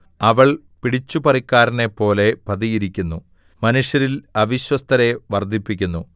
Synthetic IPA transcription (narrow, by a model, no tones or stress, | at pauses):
ɐʋɐɭ | piɽit͡ɕːupɐrikʲːaːɾɐne̞pːo̞ːle̞pɐðijiɾikʲːunːu | mɐnuʂjɐɾilɐʋiɕwɐst̪ʰɐɾe̞ʋɐrd̪ʱipːikʲːunːu